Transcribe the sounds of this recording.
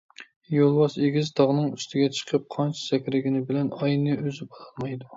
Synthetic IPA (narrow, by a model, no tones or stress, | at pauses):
jolˠwɑʃeɡʲizt̪ʰɑʁnɨŋyst̪ʰɪɡʲɛt͡ʃʰə̥qʰəp̚qʰɑnt͡ʃʰɛ̥sɛkʲɾɪɡʲɪnɪbɪlɛnɑjnɨøzɪbɑlɑlˠmɑjd̪u